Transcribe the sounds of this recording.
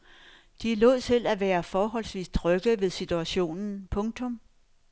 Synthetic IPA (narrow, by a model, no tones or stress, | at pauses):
d̥ilɔ̰ð̰ˠsʰe̝læʋæːɐfɒːɦɒ̽l̰sʋḭːst͡sʰʁœɡ̥ðʋe̝ðˠsit͡sʰuæɕo̝̰ːnn̩pʰɔ̽ŋt͡sʰɔ̽m